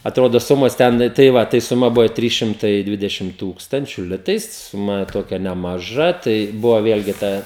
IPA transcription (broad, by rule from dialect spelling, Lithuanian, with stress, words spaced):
ɐˈtroːdoː ˈsʊmoːs ˈtʲɛn tɐɪ ˈʋɐ tɐɪ sʊˈmɐ ˈbʊʋoː ˈtʲrʲiːs ʃʲɪmˈtɐɪ ˈdʲʋʲɪdʲɛʃʲɪm ˈtuːkstɐnʲt͡ʃʲʊ ˈlʲɪtɐɪs sʊˈmɐ ˈtoːkʲɛ nʲɛmɐˈʒɐ ˈtɐɪ ˈbʊʋoː ˈʋʲeːlʲɡʲɪ ˈtɑː